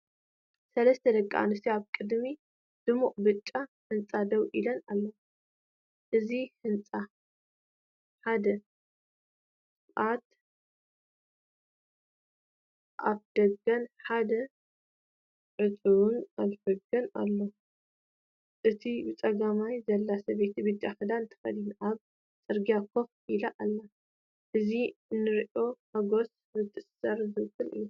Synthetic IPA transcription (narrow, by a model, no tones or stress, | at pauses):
sɐlɐst̪ʰɐd̪ɐkʼːa̰anɨsiaβkʼɨd̪mi | d̪̥ɨmuʔʼbɨt͡ʃʼːahɨnt͡sʼad̪ɐwʔilɐnalːo | ʔɨzihɨnt͡sʼa | ħad̪ɐ | ʔat̪ | ʔaβd̪̥ɐɡɐnħad̪ɐ | ʕɨt̪ʼɨβunalfɐɡɐna̰lːo̞ | ʔɨt̪ʰibɨt͡sʼɐɡamajzɐlːasɐbet̪ʰibɨt̪ʼːaxɨd̪ant̪ʰɨ̥xɐ̰d̪inʔaβ | t͡sʼɨɾɡijakʰːof | ilɐʔalːɐ | ʔɨzinɨɾʔo̞hɐɡo̞s | bɨt̪ʰʼːɨsɐɾzɨkːɨlɨ̰jːu